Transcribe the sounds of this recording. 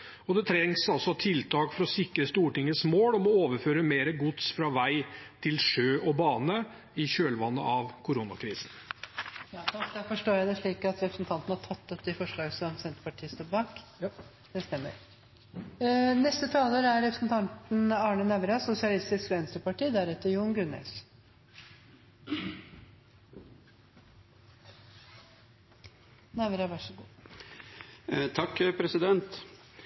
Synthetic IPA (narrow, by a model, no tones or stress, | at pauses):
ɔd̪ɛt̪ʰɾɛŋsɑlsɔt̪ʰɪlt̪ʰɑːkfɔɾɔsɪkːɾəst̪uːʈɪŋəsmoːlɔmɔoːʋəɾføːɾəmeːɾəɡʊt̪sfɾɑʋæɪt̪ʰɪlʂøːʔɔbɑːnə | ɪɕøːlʋɑnːə̰ʔɑʋkʰʊɾunɑ̰kʰɾiːsn | jɑːd̪ɑd̪æfɔʂʈoːjæɪd̪ɛʂɭiːkɑt̪ɾɛpɾəsn̩t̪ʰɑnt̪ən̩hɑʈʰɑt̪ːɔpd̪ɛfɔʂɭɑːɡəsɔmsɛnt̪əpɑʈʰiːəst̪oːbɑːk | d̪̥ɛst̪ɛmːə̰ɾ | nɛst̪ət̪ʰɑːləɾæɾɾɛpʰɾə̥sn̩t̪ʰɑnt̪n̩ɑːɳənæʋɾɑsʊsɪɑlɪst̪ɪskɛnsəpɑʈiːd̪æɾɛt̪ːəɾjuːnɡʉnɛ̰s | næʋɾɑʋɑʂəɡuː | t̪ʰɑkːpʰɾɛsɪd̪ɛnt̪